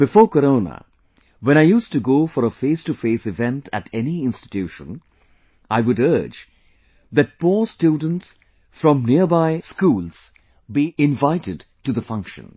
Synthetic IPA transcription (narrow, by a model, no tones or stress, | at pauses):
b̥ɪfɔːkəɾõʊnə̰ | wɛ̃ñaɪjuːstuɡoːfɔɾəfeɪstufeːsɪvɛ̃ntʰætʰɛniɪ̃nstɪ̥tjuːʃə̰̃n | aɪʋʊɾɜ˞d͡ʒ | ðɨt̚pɔːstjuːdⁿə̃n̩ts | fɾɔ̃mniəbaɪskuːlz̥ | biʔɪ̃ɱvaɪtɪd | ʈuðəfʌ̃ŋkʃə̰̃n